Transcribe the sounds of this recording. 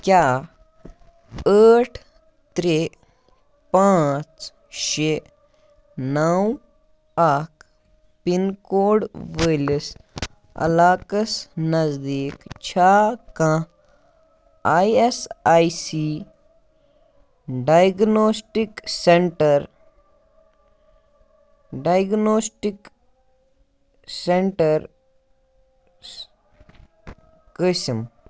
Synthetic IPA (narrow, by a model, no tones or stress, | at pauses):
kjaː | əːʈʰ | t̪ɾe | pãːt͡ʃ | ʃe | nɐw | aːkʰ | pinkoːɖʋəelis | ɐ̰laːkəsnɐzd̪iːkt͡ʃʰaːkã | aiesaːisiː | ɖaːjɡnoːsʈikseɳʈɐɾ | ɖaːjɡnoːsʈik | seɳʈɐɾ | kism